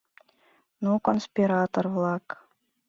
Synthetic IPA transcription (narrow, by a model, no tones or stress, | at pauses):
nukonsʲpʲiɾɑt̪orvlˠɑk